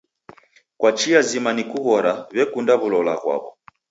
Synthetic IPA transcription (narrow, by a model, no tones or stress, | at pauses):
kwat͡ʃiazimanikuɣɔɾaβɛkundaβulɔla̰ɣwa̰βɔ̰